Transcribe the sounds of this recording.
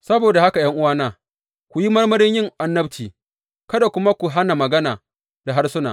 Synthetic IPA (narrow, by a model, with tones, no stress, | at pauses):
sɐ˦boː˨da˨ha˦ka˨jɐ˦ŋʔʊ˦waː˦naː˦ | kʷu˨ji˦mɐ˦rmɐ˦ɾɪ˦ɲjɪ˦ŋʔa˨nːɐ˦bt͡ʃiː˨ | kɐ˦da˨kʷʊ˦ma˦kʷu˨ɦa˦na˨mɐ˨ɡɐ˦naː˨ | da˨ɦa˦rsʊ˦na̰ː˨